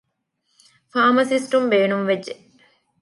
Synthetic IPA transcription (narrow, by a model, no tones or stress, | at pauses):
faːmɐsisʈumbeːnumʋed͡ʒːe